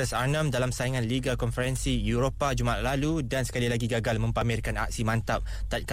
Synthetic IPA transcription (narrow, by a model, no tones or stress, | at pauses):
əsanə̃mdalamsaiŋãnliɡalkɔnfəɾɛnsijuɾopad͡ʒuma̰ʔlaludansə̥kalilaɡiɡaɡalmə̃mpamɪrkana̰k̚simãnt̪ap̚ | t̪at̪̚k